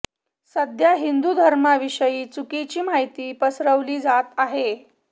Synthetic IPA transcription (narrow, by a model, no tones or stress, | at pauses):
səd̪ʱjaɦind̪ud̪ʱəɾmaʋiʂəjiːt͡sukit͡ɕiːm̤aɦjt̪iːpəsɾəʋliːd͡zat̪aɦe